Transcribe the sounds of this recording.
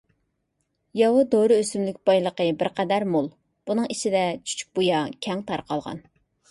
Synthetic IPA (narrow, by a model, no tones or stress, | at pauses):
jɑwud̪oɾɨøsymlykʲbɑjlˠəqəbɪɾqɛd̪æɾmolˠ | b̥unɨŋit͡ʃʰid̪ɛt͡ʃʰy̥t͡ʃʰy̥k̚ʲbojɑkʲʰɛŋt̪ʰɑɾqɑlˠʁɑ̰n